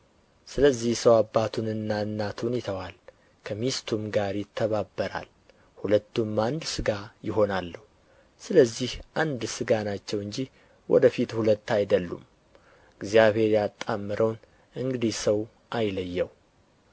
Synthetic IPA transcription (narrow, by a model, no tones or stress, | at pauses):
sɨləzːihsəwabːat̪ʰunɨnːanːat̪ʰunjɪt̪ʰəwal | kʰəmist̪ʰumɡaɾjɪt̪ʰːəβabːəɾa̰l | hulət̪ːumand̪sɨɡajɪɦo̞nalːəhu | sɨləzːihʔand̪sɨɡanat͡ʃːɛwɨɲd͡ʒi | wʔɔ̰d̪əfit̪hulət̪ːajd̪əlːṵm | ɨɡzijaβhe̞ɾjat̪ʼːamːɨɾʔəwn | ɨŋɡɨd̪ihsəw | ʔajləjːɛw